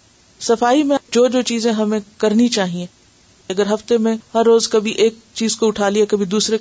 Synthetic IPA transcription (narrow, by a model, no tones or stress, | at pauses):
sɐfaːimẽd͡ʒoːd͡ʒoːt͡ʃiːzẽɦɐmẽkɐɾnit͡ʃaːɦiẽ | ɐɡəɾɦɐft̪emẽhɐɾːoːzkɐbʱiʔeːk̚ | t͡ʃiːzkoʊʈʰaːliakɐbʱid̪uːsɾe